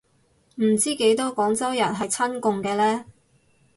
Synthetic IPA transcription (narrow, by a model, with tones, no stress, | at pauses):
m̩˨˩t͡siː˥ke˨˥jt̪ɔː˥kɔː˨˥ŋt͡sɐ˥wjɐ˨˩nɦɐ˨jt͡sʰɐ˥nkʊ˨˧ŋkɛː˧lɛː˥